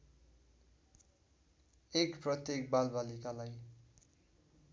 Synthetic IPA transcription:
ekprʌt̪jek̚balbalikalaj

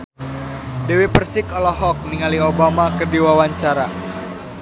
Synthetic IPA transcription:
dɛwipərsɪkɔlɔɦɔk̚niŋaliobamakɨrdiwawaɲt͡ʃaɾa

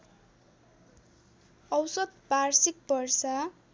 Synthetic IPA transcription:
ʌwsʌd̪̚parsik̚bʌrsa

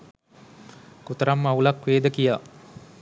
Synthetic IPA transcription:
kut̪əɾamːaulakʋeːd̪əkijaː

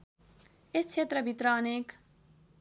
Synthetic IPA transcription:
est͡ʃʰet̪ɾʌbʱit̪ɾaːneːk

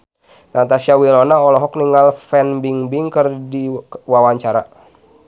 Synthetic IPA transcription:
nat̪asiawilɔnaɔlɔɦɔk̚niŋalfɛnbiŋbiŋkərdiwawaɲt͡ʃaɾa̰

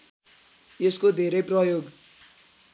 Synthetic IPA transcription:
jeskod̪ʱeɾʌjprʌjoɡ

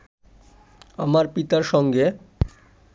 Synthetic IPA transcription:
amaɾpit̪aɾʃɔŋɡe

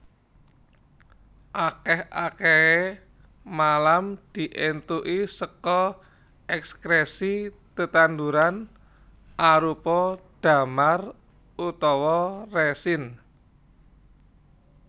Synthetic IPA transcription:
ʔakɛha̰kɛe | malamd̪̥i̤ʔent̪uʔisəkɔ | ɛkskɾesi | t̪ət̪and̪uɾan | ʔaɾupɔd̪̥a̤mar | ʔut̪ɔwɔresɪn

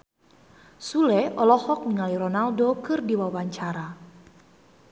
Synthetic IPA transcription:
sulɛɔlɔhɔk̚niŋaliɾɔnaldokɨrdiwawaɲt͡ʃaɾa

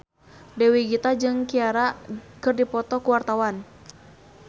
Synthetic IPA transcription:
dɛwiɡit̪ad͡ʒɨŋkiaɾakɨrdipɔt̪ɔkuwart̪awan

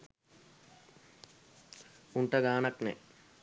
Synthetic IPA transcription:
uɳʈɐɡaːnɐknḛ

